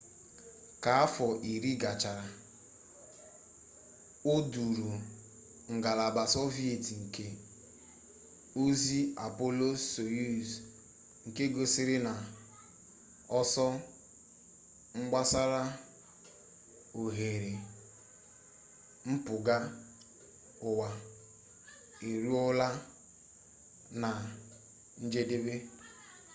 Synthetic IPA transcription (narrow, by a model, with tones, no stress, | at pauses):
ka˨a˦fɔ˨ʔi˨ɾi˦ɡa˨t͡ʃa˨ɾa˨ | o˦du˨ɾu˨ | ŋ̩˨ɡa˨la˨ba˨sɔ˦vi˦e˨ti˨ŋ̩˨ke˦ | o˦zi˦a̰˨po˦lo˦o˨ju˦z | ŋ̩˨ke˦ɡo˦sɪ˦ɾɪ˦na˨ | ɔ˦sɔ˦ | ŋ͡m̩˦ɡ͡ba˦sa˦ɾa˦ | o˨ɦe˨ɾe˨ | m̩˦pʊ˨ɡa˦ | ʊ˨wa˨ | e˨ɾu˦ɔ˦la˦ | na˨ | n̩˦d͡ʒe˦de˦be˦